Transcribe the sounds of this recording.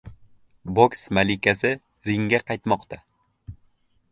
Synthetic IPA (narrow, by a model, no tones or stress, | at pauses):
boksmalɪkʲasɪ | ɾɪŋɡʲaqʰɑjt̪mɒqt̪a